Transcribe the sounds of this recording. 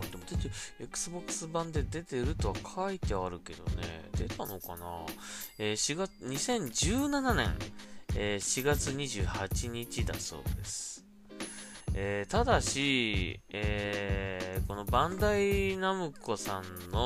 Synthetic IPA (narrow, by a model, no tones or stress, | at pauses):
d̪e̞mot̪ot̪ːiekɯ̥sɨbo̞kːɯ̥sɨbãnd̪e̞d̪e̞t̪e̞ɾɯ̟t̪o̞akʰait̪e̞aɾɯ̟ke̞d̪o̞̰ne̞̰d̪̥e̞t̪ano̞kana̰eːɕiɡaɲ̟isẽ̞ɲ̟d͡ʑɨːnananẽ̞̰ɴeɕiɡat͡sɨɲ̟iʑɨːhat͡ɕiɲ̟it͡ɕid̪a̰so̞̰ːd̪e̞sɨ̥ | eːt̪ad̪aɕi | e | ko̞no̞bãnd̪ainamɯ̟ko̞sãnːo